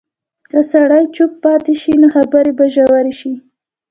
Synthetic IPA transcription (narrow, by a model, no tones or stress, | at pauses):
kəsaɽajt͡ʃʊpːɑt̪eʃinoxabaɾebaʒawaɾeʃi